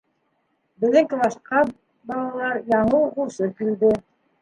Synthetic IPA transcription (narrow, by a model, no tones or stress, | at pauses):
bɘ̆ðɘ̆ŋkɘbɑʃqɑ | bɑlˠɑlˠɑɾjɑɴɤwʁuʃɤkild̪ɘ